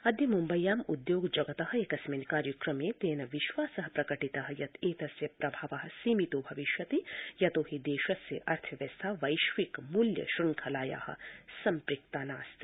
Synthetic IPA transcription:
ɐd̪jɐmumbɐjːaːmud̪joːɡd͡ʒɐɡɐt̪ɐɦɐ̆ekɐsmenkaːɾjɐkɾɐmeːt̪eːnɐʋiʃʋaːsɐɦɐpɾɐkɐʈit̪ɐɦɐjɐt̪eːt̪ɐsjɐpɾɐbʱaːʋaɦɐ̆siːmit̪oːbʱɐʋiʃjɐt̪ijɐt̪oːhid̪eːʃɐsjɐ̰ʔɐɾt̪ʰɐʋjɐst̪ʰaːʋɐjʃʋikmuljɐ̰ʃɾuŋkʰɐlaːja̰ːhɐ̰̆sɐmpɾikt̪aːnaːst̪i̥

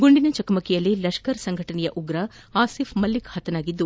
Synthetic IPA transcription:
ɡoɳɖinɐt͡ʃɐkɐmɐkijɐlːilɐʂkɐɾsɐŋɡʱɐʈɐnɛjɐʔuɡɾɐaːsifmɐlːikhɐt̪ɐnaːɡid̪ːu

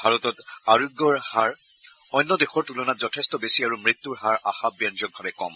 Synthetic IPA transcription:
bʱaɹɔtɔtaɹuɡːɔɹhaɹ | ɔjnːɔdexɔɹtulɔnatzɔtʰɛstɔbesiaɹumɹit̪ːuɹɦaɹa̰xabjanzɔk̚bʱabɛkɔ̰m

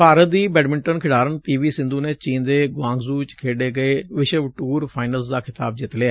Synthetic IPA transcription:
paːɾət̪̚d̪iːbɛːɖmɪ̃ɳʈənkʰɪɽaːɾənpiːʋiːsɪ̃nd̪uːneːt͡ʃiːnd̪eːɡãːŋɡzuːt͡ʃkʰeːɖeːɡəeːʋɪʃəʋʈuːɾpʰaːɪnəlsd̪aːkʰɪt̪aːb̚d͡ʒɪt̪leaː

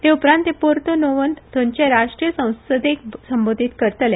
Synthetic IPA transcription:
t̪eupɾãnt̪epoɾt̪onoʋənt̪t̪õɲt͡ɕeɾaʂʈɾijəsə̃w̃səd̪ek̚səmbod̪ʱiːt̪kəɾt̪əle

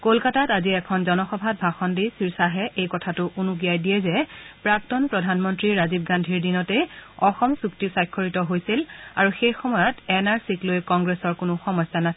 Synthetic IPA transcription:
kolkatataziɛkʰɔnzɔnɔxɔbʱat̚bʱaxɔndisiɹsaɦɛʔejkɔtʰatʊʔunuɡijajdijɛzɛpɹak̚tɔnpɹɔdʱanmɔntɹiɹazib̚ɡandʱiɹdinɔtɛɔxɔmsuktisajkʰːoɹitɔɦojsilaɹuxejxɔmɔjɔtɛnaɹsiklojkɔŋɡɹesɔɹkʊnʊxɔmɔsana

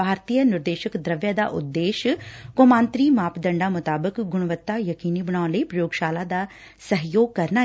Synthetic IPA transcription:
bʱaːɾt̪ijənɪɾd̪eːʃəkd̪ɾəʋjaːd̪a̰ːʔʊ̰d̪ːeːʃkoːmãːnt̪ɾiːmaːpd̪ə̃ɳɖaːmʊt̪aːbəkɡʊɽ̃ʋət̪ːaːjəkiːniːbəɽ̃ãːləiːpɾəjoːɡʃaːlaːd̪aː | səɦjoːɡ̚kəɾnaː

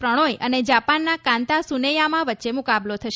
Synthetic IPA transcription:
pɾəɽ̃ojəned͡ʒapanːakãnt̪asunejamãʋətːʃemukablot̪ʰəʃ

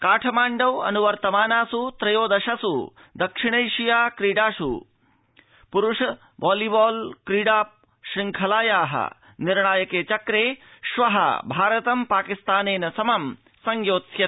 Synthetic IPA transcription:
kaːʈʰɐmaːɳɖɐwɐ̰nuʋɐɾt̪ɐmaːnaːsut̪ɾɐjoːd̪ɐʃɐsṵ | d̪ɐkʂiɳɐjʃijaːkɾiːɖaːʂṵ | puɾuʂɐ | baːlibaːlkɾiːɖaːp̚ | ʃɾiŋkʰɐlaːjaːɦɐ̰ | niɾɳaːjɐkeːt͡ʃɐkɾeːʃʋɐɦɐ̰bʱaːɾɐt̪ɐmpaːkist̪aːneːnɐsɐmɐm | sɐŋjoːt̪jɐ

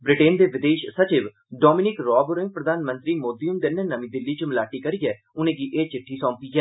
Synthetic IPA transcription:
bɾɪʈeːnd̪eːʋɪd̪eːʃsət͡ʃɪʋ | ɖɔːmɪnɪkɾɔːbɾɪ̃ŋ̚pɾəd̪aːnmə̃nt̪ɾiːmoːd̪iːʊmd̪eːnənəmĩːd̪ɪlːiːt͡ʃəmɪlaːʈiːkəɾiːɛː | ʊnẽːɡiːʔeːt͡ʃɪʈʰːiːsɔ̃ːmpiːɡɛː

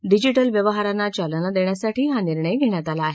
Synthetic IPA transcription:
ɖid͡ʑiʈəlʋjəʋəɦaɾanːat͡ɕalənad̪eɳjasaʈʰiːɦaniɾɳəjɡʱeɳ̃jat̪alaːɦe

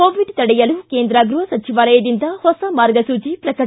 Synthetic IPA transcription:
oːʋiɖt̪ɐɽɛjɐlukeːnd̪ɾaːɡɾuɦɐsɐt͡ʃiʋaːlɐjɐd̪ind̪ɐhɔsɐmaːɾɡɐsuːt͡ʃipɾɐkɐ

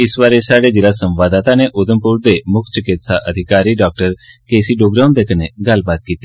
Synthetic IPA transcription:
ɪsʋaɾesaɽed͡ʒɪlasə̃mʋad̪at̪aneʔod̪ʱəmpuɾd̪emʊkʰt͡ʃəkɪt̪saʔəd̪ʱikaɾiɖɔk̚ʈəɾkesiɖoɡɾand̪ekʰəneɡalbad̪̚kit̪i

